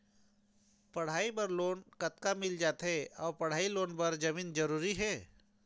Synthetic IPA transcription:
pɐɽ̤aːibɐɾloːnkɐt̪kamɪld͡ʒaːt̪ɦɛɔːɾpɐɽ̤aːiloːnbɐɾd͡ʒɐmiːnd͡ʒɐɾuːɾiɦɛː

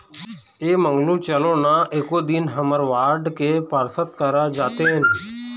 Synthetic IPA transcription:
eːmə̃ŋɡlũːt͡ʃəlõːnaʔeːkoːd̪ɪnɦəməɾʋaːɾɖkepəɾsət̪̚kəɾad͡ʒaːt̪eɦɛn

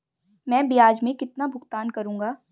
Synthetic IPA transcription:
mɛ̃ːbɪjaːd͡ʒmẽkɪt̪nabʱʊɡt̪aːnkɐɾũːŋ̆ɡaː

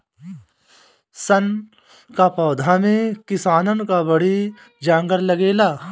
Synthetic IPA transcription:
sən | kapɔːd̪ʱamẽkɪsaːnənkabɐɽi | d͡ʒãːŋɡəɾlɐɡeːlaː

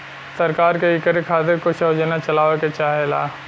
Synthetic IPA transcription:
sɐɾkaːɾkeɪkəɾekʰaːt̪eɾkʊʃʰod͡ʒənat͡ʃɐlaːʋeket͡ʃaːɦela̰ː

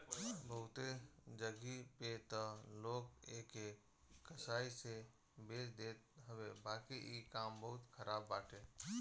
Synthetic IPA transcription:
bəɦʊt̪ed͡ʒəɡipet̪əloːkeke | kəsaːise | beːt͡ʃd̪eːt̪ɦəʋebaːkiʔikaːmbəɦʊt̪kʰəɾaːbːaːʈʰeː

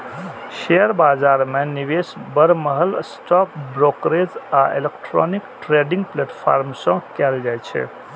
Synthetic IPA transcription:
ʃeəɾbaːd͡ʒaɾmẽniʋesbəɾməɦəlsʈɔk̚bɾokɾezaelekʈɾɔ̰nikʈɾeɖĩŋɡ̚pleːʈpʰa̰ɾmsɔ̃keld͡ʒajt͡ʃʰḛ

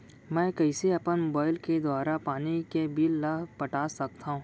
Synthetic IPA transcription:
mɛ̃ːkɛɪseɐpənmoːbaːɪlked̪waːɾapaːnikebiːlːapɐʈaːsɐk̚t̪aɦũː

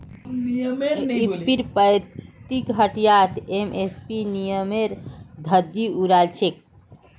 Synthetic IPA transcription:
nijmeipiɾpəjt̪ikɦəʈjat̪emespinijəmeɾd̪ʱəd̪iuɾalt͡ʃʰek̚

